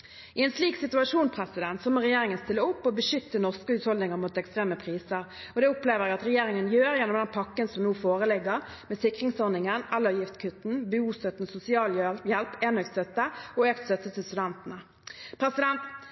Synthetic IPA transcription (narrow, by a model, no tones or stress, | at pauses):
ɪɛnsliːksɪt̪ʉɑʂuːnpʰʁɛsɪd̪ɛnt̪sɔmɔʁɛjeːʁɪŋənst̪ɪlːəʊpːɔbəʃʏt̪ːənɔʁskəʉːt̪hɔld̪ɪŋəʁmut̪ɛkst̪ʁeːməpʰʁiːsəʁɔd̪ɛʊpleːʋəʁæɡɑt̪ʁɛjeːʁɪŋənjøːɾjɛnːɔmd̪ɛnpʰɑkːənsɔmnuːfoːʁəlɪɡːəʁmɛːsɪkʁɪŋsɔʁnɪŋənɛlːəjɪft̪kʰʉt̪n̩byuːst̪œt̪nsʊsɪɑːljɛlpeːnœkt̪st̪œt̪ːəɔøːkt̪st̪œt̪ːət̪ʰɪlst̪ʉd̪ɛnt̪ənə | pʰɾɛsɪd̪ɛnt̪